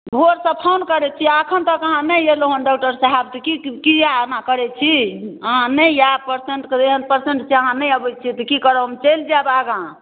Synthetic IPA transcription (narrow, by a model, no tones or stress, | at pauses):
bʱoɾsə̃pʰawnkəɾɛt͡ʃʰiakʰənt̪əkəɦãnəjeloɦənɖɔk̚ʈəɾsəɦabt̪ɔkikianakəɾɛt͡ʃʰiəɦãnəjjapəɾseɳʈkd̪eɦənpəɾseɳʈt͡ʃʰiəɦãnəjəbət͡ʃʰit̪ɔkikəɾəbəmt͡ʃeld͡ʒabaɡã